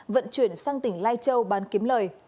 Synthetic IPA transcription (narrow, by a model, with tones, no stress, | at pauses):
və̰˧˨nt͡ɕwi˧˩ənsaː˧ŋt̪ï˧˩ŋ̟laː˧jt͡ɕə˧wɓaː˨˦nki˨˦əmləː˨˩j